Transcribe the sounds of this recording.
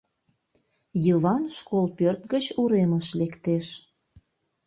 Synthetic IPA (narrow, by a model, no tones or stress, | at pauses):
jəβɑnʃkolpørt̪ɡət͡ɕuɾeməʃlekt̪eʃ